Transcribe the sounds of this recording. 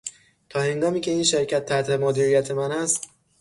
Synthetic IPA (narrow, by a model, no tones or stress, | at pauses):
t̪ʰɒːhe̞ŋɡɒːmiːcʰe̞iːnʃe̞ɾcʰæt̪ʰːæt̪ʰhe̞moːd̪iːɾijæt̪ʰe̞mænæst̪